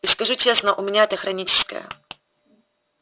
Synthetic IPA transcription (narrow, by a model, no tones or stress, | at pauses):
iskɐʐut͡ɕʲesnəʔʊmʲɪnʲaɛt̪əxɾɐnʲit͡ɕɪ̥skə̰jə̰